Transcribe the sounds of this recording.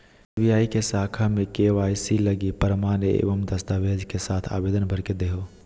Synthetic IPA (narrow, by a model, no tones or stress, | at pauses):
ʋijaikesaːkʰamekeʋaːjsiləɡipəɾmaneḛʋəmd̪əst̪aʋed͡ʒkesat̪ʰa̰bed̪ənbʱəɾked̪eɦo